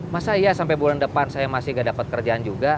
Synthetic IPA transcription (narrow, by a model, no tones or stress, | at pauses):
masaijasampajbulandəpansajamasɪhɡadapat̪̚kərd͡ʒaand͡ʒuɡa